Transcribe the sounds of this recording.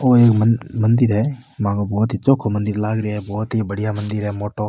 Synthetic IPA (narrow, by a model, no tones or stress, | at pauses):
oːeːkməmənd̪ɪɾɦɛː | mãːɡobɔːt̪ɦiːt͡ʃoːkʰːomənd̪ɪɾlaːɡɾɪɦɛːbɔːt̪ɦibəɽɪjamɐ̃nd̪ɪɾɦɛːmoːʈoː